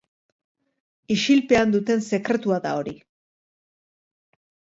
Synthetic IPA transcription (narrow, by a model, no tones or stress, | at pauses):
iʃilpe̞and̪ut̪e̞nse̞kɾe̞t̪uaðao̞ɾi